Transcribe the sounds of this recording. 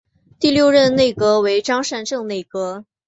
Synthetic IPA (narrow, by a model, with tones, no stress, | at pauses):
t̪i˥˧ljo˥˧ʊɻə˥˧nne˥˩ɪkɤ˥we˧˥ɪʈ͡ʂɑ˥ŋʂa˥˧nʈ͡ʂɤ˥˧ŋne˥˩ɪkɤ˥